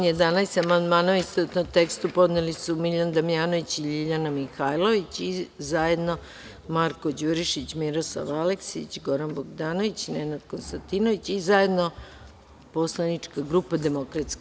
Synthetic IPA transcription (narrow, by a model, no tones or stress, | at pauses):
njed̪anajsamand̪maːnoʋist̪out̪not̪ekst̪upo̞d̪nelisumiʎand̪amijaːnoʋit͡ɕiʎiʎanamixajlˠoʋit͡ɕizajed̪no̞ | maɾko̞d͡ʑuɾiʃit͡ɕmiɾoslˠa̰ʋaleksit͡ɕɡoɾanboɡd̪aːnoʋit͡ɕnenad̪konst̪ant̪inoʋit͡ɕizaje̞d̪no̞ | poslˠanit͡ʂkaɡɾupad̪e̞mokɾat̪sk